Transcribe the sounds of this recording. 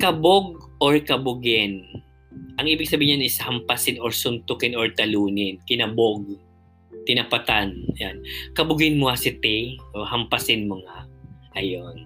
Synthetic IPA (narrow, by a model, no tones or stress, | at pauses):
kɐboɡ̚ʔoɹkɐbʊɡɪn | ʔɐŋʔiːbɪɡ̚sɐbiːɪɲanɪshɐmpɐsɪnoɹsʊnt̪ʊkɪnɔɹt̪ɐluːnɪnkɪnɐboɡ̚ | t̪ɪnɐpat̪anjankɐbʊɡɪnmʊŋasɪt̪ɛʔohɐmpɐsɪnmoŋaʔɐjon